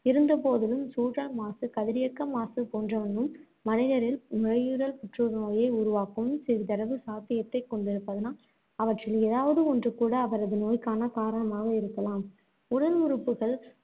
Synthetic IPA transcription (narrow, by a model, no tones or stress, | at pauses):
ɪɾɯnd̪ɐp̬oːðɪlɯmsuːɾɐɭmaːsɯkɐðɪɾɪjɐkːɐmaːsɯpoːndrɐʋɐnd̪ɯmː | ɐnɪðɐɾɪlmɪɻɐjɯɾɐlpɪʈrɯɾnoːjɐɪʊɾʊʋaːkɯmsɪɾɯt̪ɐɾɐʋɯsaːt̪ɪjɐt̪ːɐɪkːɔɳɖɪɾɯpːɐðɯnaː | ɐʋɐʈrɪleːðaːʋɐðɯɔndrɯkːuːɽɐːʋɐɾɐðɯnoːjkaːnɐkaːɾɐɳɐmaːɣɐɪɾɯkːɐlaːm | ʊɽɐlʊɾɯpːɯɣɐɭ